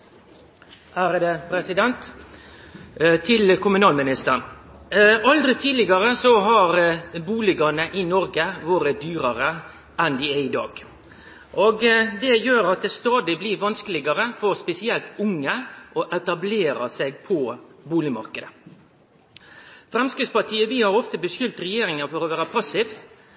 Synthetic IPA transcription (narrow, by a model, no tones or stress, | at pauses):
æːɾd̪əpʰɾɛsɪd̪ɛnt̪ | t̪ʰɪlkʰʊmʉnɑːlmɪnɪst̪ən | ɑld̪ɾɪt̪ʰiːdlɪɡɑɾəsɔɦɑɾbuːlɪɡɑnəʔɪnɔɾɡəʋoːɾəd̪yːɾɑɾə | ʔɛnd̪ɪæɪd̪ɑ̰ːɡ | ʔɔɡd̪ɛjøːɾɑt̪̚d̪ɛst̪ɑːd̪ɪblɪɾʋɑnskəlɪɡɑɾəfɔɾspɛsɪɛlt̪ʊŋːəʔɔʔɛt̪ɑbleːɾɑ̰sɛɡ̚pʰɔbuːlɪmɑ̰ɾkəd̪ə | fɾɛmskɪspɑʈʰiːəʋɪhɑɾɔft̪əbəsjʏlt̪ɾɛjeːɾɪŋɑfɔɾɔʋæːɾəpʰɑsɪʋ